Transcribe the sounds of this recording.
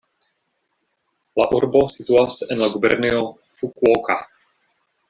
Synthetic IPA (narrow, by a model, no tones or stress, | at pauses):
laʔurbosit̪uasɛʔɛnlaɡubɛ̰rniɔ | fukuɔka̰